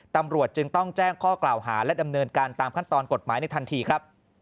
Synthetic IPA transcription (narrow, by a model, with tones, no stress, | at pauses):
t̪a˧mɾu˨˩ət̪̚t͡ɕɯ˧ŋt̪ɔ˥˩ŋt͡ɕɛː˥˩ŋkʰɔː˥˩klaː˨˩wɦaː˩˦lɛ˦˥da˧mnɤː˧nkaː˧nt̪aː˧mkʰa˥˩nt̪ɔː˧nko˨˩t̪̚maː˩˦jna˧jt̪ʰa˧nt̪ʰiː˧kʰɾa˦˥p̚